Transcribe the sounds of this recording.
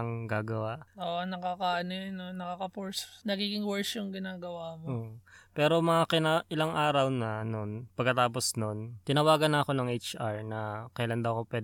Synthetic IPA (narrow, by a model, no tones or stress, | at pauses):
ɐŋɡaːɡɐwaʔoʔnɐkakaːnɪnonɐkakɐpoɹsnɐɡiːɡɪŋwɛɹsjʊŋɡɪnaːɡɐwaːmooːʔpɛːɾo̞mɐŋakɪnaʔɪlaŋʔaːɾɐwnɐnonpɐɡ̚kɐt̪aːposno̞nt̪ɪnɐwaːɡɐnɐʔɐko̞nɐŋʔejt͡ʃʔaɹnɐkɐjlɐnd̪ɐwɐkopwɛːd̪